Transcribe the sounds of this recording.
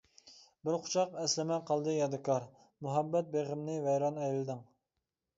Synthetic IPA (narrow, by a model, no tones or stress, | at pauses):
bɪɾqʰʊ̥t͡ʃʰɑqɛslɪmɛqʰɑlˠd̪ɨjɑd̪ɨkʰɑɾ | muɦɛbːɛt̪̚beʁɪmnɪvɛjɾɑnɛjlɪd̪ɪŋ